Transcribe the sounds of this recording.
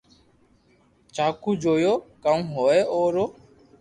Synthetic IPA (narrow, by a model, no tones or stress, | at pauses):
t͡ʃaːkuːd͡ʒoːjoːkaũːɦoːeːʔoːɾoː